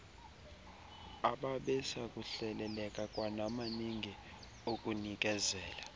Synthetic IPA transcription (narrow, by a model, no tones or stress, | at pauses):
aɓaɓɛsakʼuɬɛlɛlɛkʼakʼwanamaniŋɡʱi | okʼunik̬ʼɛzɛːla